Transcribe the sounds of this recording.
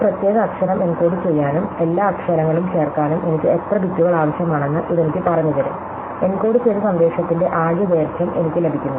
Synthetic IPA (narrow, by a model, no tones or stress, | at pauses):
prɐt̪jeːɣɐːkʂɐɾɐme̞nko̞ːɽɨt͡ɕe̞jːaːnume̞lːaːɐkʂɐɾɐŋːɐɭumt͡ɕe̞ːrkaːnume̞nikʲːɨet̪rɐbitːuɣɐɭaːʋɐɕjɐmaːɳe̞nːɨʔiðenikʲːɨpɐrɐɲːɐðɐɾɨ̰ | e̞nkoːɽut͡ɕejnɐsɐnd̪e̞ːʂɐt̪ːinde̞ʔaːɻjɐd̪eːrt̪ʰjɐmʔe̞nikʲːɨle̞bʱikʲːunː